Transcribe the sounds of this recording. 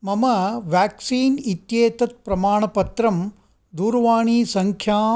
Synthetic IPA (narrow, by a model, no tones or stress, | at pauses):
mɐmɐʋjaːksiːnit̪jeːt̪ɐt̪̚pɾɐmaːɳɐpɐt̪ɾɐm | d̪uːɾʋaːɳiːsɐŋkʰjaː